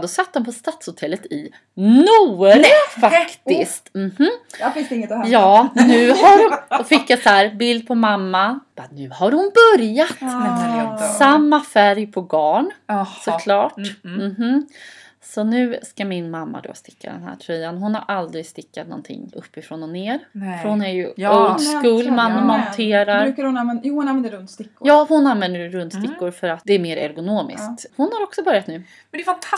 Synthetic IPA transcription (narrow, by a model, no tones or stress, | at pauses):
d̪ɔsat̪ːd̪ɔmpʰɔst̪at̪shʊt̪ʰɛlːət̪ɪ | nuːɾfakt̪ɪst̪m̩h̩ɪsŋjɑːnʉ̟ːhaɾɔfɪkːasæːɾbɪld̪̚pʰɔmamːab̥anʉ̟ːhaɾhʊnbɵɾjat̪ | samːafæɾjpʰɔbɑːɳsɔkʰlɑːʈm̩ɦ̩ | sɔnʉ̟ːskamɪnmamːa̰d̪o̰ːst̪ɪ̥kːa̰d̪ɛ̰nɦæ̰ːʈʰɾɛjanɦʊnhaɾʔald̪ɾɪɡst̪ɪkːat̪nɔ̰nt̪ʰɪ̰ŋːɵ̰pːɪfɾɔnɔneːɾfœɾhʊnæɾjɵold̪skuːlmanmɔnt̪ʰeːɾaɾɾʉkahʊnanɛnjuːnvɛnd̪əɾɵnt̪st̪ɪkːʊjɑːhʊnanvɛnd̪əɾɾɵnt̪sst̪ɪkːʊɾfœɾat̪̚d̪ɛːɾmeːɾɛ̰ɾɡʊnoːmɪ̰skt̪hʊnhaɾɔksɔbœɾjat̪nʉ̟ː | mɛd̪ɛfnt̪ʰ